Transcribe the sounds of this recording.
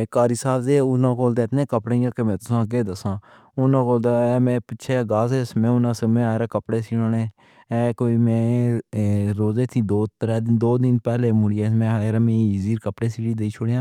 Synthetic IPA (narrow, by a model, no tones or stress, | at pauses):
eːkaːɾisaːbd̪eːʊnãːkoːld̪aːɪt̪nẽːkəpɽeːãːkemɛ̃ːt̪ʊsãːɡeːd̪əsãː | ʊnãːkoːld̪aːmɛ̃ːpɪʃʰeːɡaːseːsmɛ̃ːʊnãːsəmẽːaːɾaːkəpɽeːsiːɽoːnẽː | ɛːkoːiːmɛ̃ː | ɾoːzeːt̪ʰĩːd̪oːt̪ɾɛːd̪d̪oːd̪ɪnpɛːleːmʊɽieːmɛ̃ːaːɾaːmẽːiːziːɾkəpɽeːsiːɽiːd̪eiːt͡ʃʰoːɽejãː